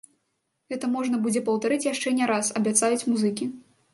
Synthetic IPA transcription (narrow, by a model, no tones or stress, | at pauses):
ɣɛt̪ɐmɔʐnɐbud͡zʲɛpɐwt̪aɾɨt͡sʲjaʂt͡ʂɛnʲɛɾasɐbʲat̪sajut͡sʲmuzɨkʲi